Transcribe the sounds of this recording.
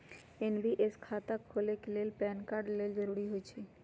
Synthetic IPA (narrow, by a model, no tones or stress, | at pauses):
enbiʔeskʰat̪akʰoleklelpɛnkaɾɖleld͡ʒəɾuɽiɦojt͡ʃʰe